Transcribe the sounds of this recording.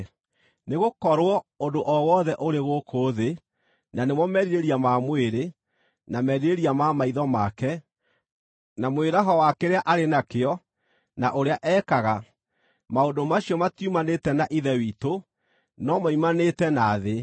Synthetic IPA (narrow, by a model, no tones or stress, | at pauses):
neɣokɔɾwɔodoʔɔwɔðɛʔoɾeɣokʰoðe | nanemɔmɛɾiɾeɾiamamweɾe | namɛɾiɾeɾiamamaiðɔmakɛ | namweɾaɦɔwakeɾeaʔaɾenakeɔ | naʔoɾeaʔɛːkaɣa | maondomaɕiɔmatjumanetɛnaʔiðɛwito | nɔmaimanetɛnaðe